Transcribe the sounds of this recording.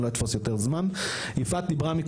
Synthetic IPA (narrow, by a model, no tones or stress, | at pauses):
loit̪fosjo̞teʁzman | ifat̪̚dibʁamik